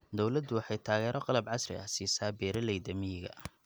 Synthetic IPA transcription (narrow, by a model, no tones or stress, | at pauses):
d̪ɔwlɐd̪ːʊwɑħɑjt̪ʰaːɣɛːɾɔqɑlɐbʕɑsrɪ̰ɐsiːsaːbɛːɾɐlɛjd̪ɐmɪjɪɣɐ̰